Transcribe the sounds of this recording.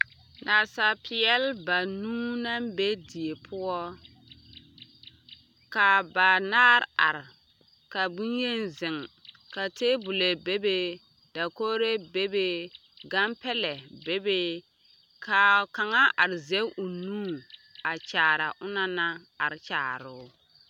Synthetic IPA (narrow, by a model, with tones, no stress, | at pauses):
na˨sa˨pʰɪ˨ɛ˦lba˨nuː˦na˦mbe˦di˨e˨pʰʊ˦ɔ˦ | ka˨ba˨naː˦ɾa˨ɾɪ˨ | ka˨bu˦nje˦nzɪ˨ŋ | ka˨te˦bʊ˨le˨be˦be˦ | d̥a˨koː˦ɾe˦be˦be˦ | ɡa˦mpɛ˦lɛ˨be˦be˦ | ka˨ka˨ŋa˦ʔa˨ɾɪ˨ze˦ʊ˨nuː˦a˨t͡ʃaː˨ɾa˨ʔʊ˦na˦na˦ | a˨ɾɪ˨t͡ʃaː˨ɾʊ˦